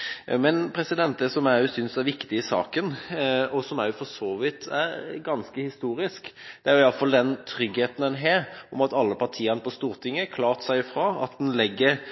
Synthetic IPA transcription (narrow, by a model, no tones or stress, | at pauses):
mɛnpʰɾɛsɪd̪ɛnt̪əsɔmæɾjʊsʏnsæɾʋɪkt̪ɪɪsɑ̰ːkənɔsɔmæɾjʊfɔʂoːʋɪt̪ʰæɾɡɑnskəhɪst̪uːɾɪskd̪̥ɛæɾjʊɪɑlfɑld̪ɛnt̪ʰɾʏɡheːt̪ən̩ɛnɦɛɾɔmɑt̪ɑlːəpʰɑɾt̪ʰiːənəpɔst̪uːɾt̪ʰɪŋːəkʰlɑːɾt̪sæɪfɾɑːɑ̰t̪d̪ɛnlɛɡːəɾ